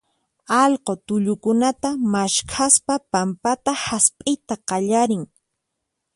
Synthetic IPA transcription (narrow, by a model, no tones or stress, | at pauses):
ɑʎqot̪ʊʎʊkʊnat̪amaʃkʰaspapampat̪ahaspʼɪjt̪aqɑʎaɾɪŋ